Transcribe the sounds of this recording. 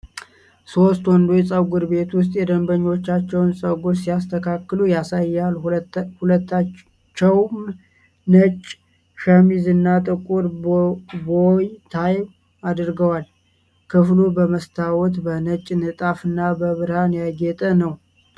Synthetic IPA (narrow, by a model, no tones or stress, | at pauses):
so̞st̪wɔnd̪ojɛsʼəwɡʊɾbe̞t̪wʊs̬t̪ʼjɛd̪əmbəɲːo̞t͡ʃːat͡ʃːɛwnsʼəwɡuɾsijast̪ʰəkʰakːɨlujasajːalhulət̪ːa | t͡ʃːɛwm | nət͡ʃʼ | ʃəmizɨnːat̪ʼɨkʼuɾ | bojt̪ʰaj | ad̪ɨɾɡəwal | kʰɨflubəməst̪ʰawɔt̪bənət͡ʃʼːnɨt̪ʼafɨnːabəβɨɾhanjaɡɛt̪ʼənəw